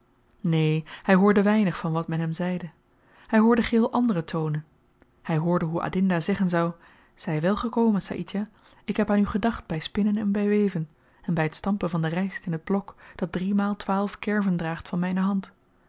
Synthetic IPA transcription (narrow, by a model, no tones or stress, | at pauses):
neːhɛjɦʊːɹdəʋɛjnəχfɑnʋɑtmɛnɦɛmzɛjdə | hɛjɦʊːɹdəχɪːlˠʔɑndərətʰownən | hɛjɦʊːɹdəɦuʔa̰dɪndaːzɛχənzɑw | z̥ɛjʋɛlˠχəkowmənsa̰ʔitaː | ɪkɦɛpaːnyχədɑχt̚bɛjspɪnənɛnbɛjʋejvən | ɛnbɛjɦətstɑmpənvɑndərɛjstɪnɦəd̚blɔkd̥ɑt̚drimaːlˠtʋaːlˠfkɛɹvəndraːχtfɑnmɛjnəɦɑnt